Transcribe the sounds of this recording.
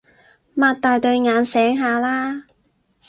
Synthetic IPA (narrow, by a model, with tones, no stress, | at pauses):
maː˧t̚t̪aː˨˧jt̪ɵ˧ɥŋaː˨˧nsɛː˨˥ŋɦaː˨˧laː˥